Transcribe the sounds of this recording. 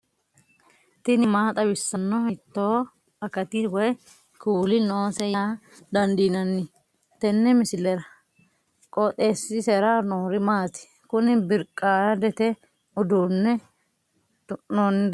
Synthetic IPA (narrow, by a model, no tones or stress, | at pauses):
t̪ɪnɪmaːt̪ʼɐbɪsːɐnːɔhɪt̪ːoː | ɐkɐt̪ɪwɔj | kuːlɪnoːsɛjɐ | d̪ɐnd̪iːnɐnːɪ | t̪ɛnːɛmɪsɪlɛɾɐ | kʼɔt̪ʼeːsːɪsɛɾaːnoːɾɪmaːt̪ɪ̥ | kʊnɪbɪɾkʼːaːjɐd̪ɛt̪ɛ | ʊd̪uːnːɛ | noːnːɪ